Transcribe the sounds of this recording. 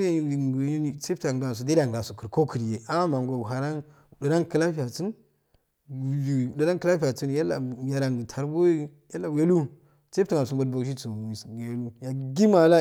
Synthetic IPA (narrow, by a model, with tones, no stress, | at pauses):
ɡt͡se˦ta˨ŋɡa˨s̬u˨da˦a˨ŋɡa˨su˨kə˨ɾko˦kʰi˨ɾje˨a˦ma˨ŋɡa˨ɦa˨ɾa˦n˨ | du˨ɾa˦nkə˨la˦fi˦ja˨t͡si˦n˨ | i˨də˨ɾa˦kə˦la˦fi˨a˨t͡su˦nja˦lːa̰˨ja˨ɾa˨ŋ˨tʰa˨ɾbo˦ja˦lːa˨we˦lu˦ | t͡se˦ta˨ŋɡa˨su˨mbo˦dbo˨kʃ̬i˦t͡su˨sje˨lu˦ja˨ɡi˦ma˨la˦